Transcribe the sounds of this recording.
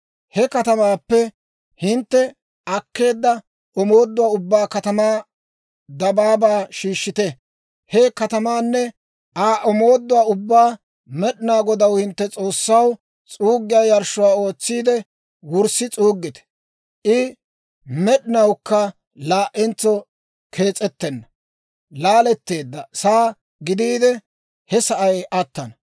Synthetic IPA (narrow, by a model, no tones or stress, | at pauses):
hɛkɐt̪ɐmaːpːɛ | hɪnt̪ːɛ | ɐkːe̞ːd̪ːɐ | ɔmo̞ːd̪ːʊwaːʊbːaːkɐt̪ɐmaː | d̪ɐbaːbaːʃiːʃːɪt̪ɛ | hɛkɐt̪ɐmaːnːɛ | ʔaːʔɔmoːd̪ːʊwaːʊbːaː | mɛɗɪnaːɡɔd̪ɐwhɪnt̪ːɛt͡sʼo̞ːsːɐw | t͡sʼuːɡːɪjaːjɐɾʃːʊwaːo̞ːt͡sːiːd̪ɛ | wʊɾsɪt͡sʼuːɡːɪt̪ɛ̥ | ʔɪ | mɛɗɪnɐwkːɐ | laːʔɛnt͡sːɔ | kʰe̞ːt͡sʼːɛt̪ːɛnːɐ | laːlɛt̪ːe̞ːd̪ːɐsaː | ɡɪd̪iːd̪ɛ | hɛsɐʔɐjɐt̪ːɐnɐ